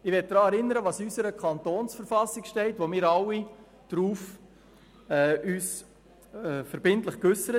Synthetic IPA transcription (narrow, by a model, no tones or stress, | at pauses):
ɪʋɛt̚d̥ɾɑːɛɾɪnːəɾəʋɑːsysəɾəkʰɑnt̪oːnsfəɾfɑsɪkʃtɛɪtʋomɪːɾɑwi | d̥ɾuːf | ɛyːs | ɛfəɾbɪntləχkɵsəɾə